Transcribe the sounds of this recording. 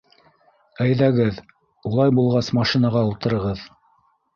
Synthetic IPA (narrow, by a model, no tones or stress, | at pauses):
æjðæɡɘð | ulˠɑjbulˠʁɑsmɑʃinɑʁɑulˠt̪ɤ̆ɾɤ̆ʁɤð